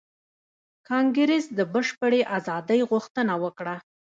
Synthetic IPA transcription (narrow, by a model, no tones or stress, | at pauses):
kɑŋɡɾesd̪əbəʃpəɽeʔazɑd̪əjɣuxt̪ənawəkɽa